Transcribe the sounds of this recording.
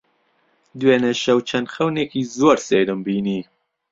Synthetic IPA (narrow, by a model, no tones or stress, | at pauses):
d̪weːnɛʃɛwt͡ʃʰɛnd̪xɛwnekiːzoːɾsejɾɨmbiːniː